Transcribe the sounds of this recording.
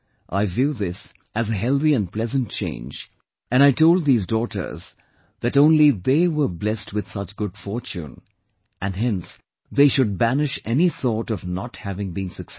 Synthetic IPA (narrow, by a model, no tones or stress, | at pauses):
ʔaɪvjʉðɪs | ɨzɨɦɛlˠθiɨ̃npʰlɛzə̃nt̚t͡ʃʰḛ̃ɪ̃nd͡ʒ | ɨ̃naɪtʰoʊlˠd̪̚ðizdɔɾə̰˞z | ðɨɾõʊ̃nliðeɪwə˞blɛst̚ʰwɨð̥sʌt͡ʃɡ̥ʊd̥fɔɹt͡ʃṵ̃n | ʔɨ̃nɦɛ̃ns | ðeɪʃʊd̚bænɨʃɛniθɔɾʌvnət̚hævɪ̃ŋbĩnsɨks